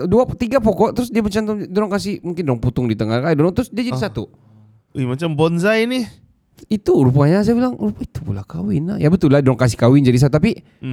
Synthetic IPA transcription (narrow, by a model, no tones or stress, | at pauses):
duat̪iɡapɔkɔʔt̪ɾʊsdiamat͡ʃamt̪dɔɾɔŋkas̬ɪhmuŋkɪndɔɾɔŋput̪ʊŋdit̪əŋakadɔɾɔŋt̪ɾʊsdiad͡ʒadisat̪u | imat͡ʃambɔnzajni | it̪uɾupuaɲas̬ajabilaŋɾupit̪u̥pula̰hkawɪna̰hja̰bət̪ulahdɔɾɔŋkas̬ɪ̥hkawɪnd͡ʒadis̬at̪ut̪api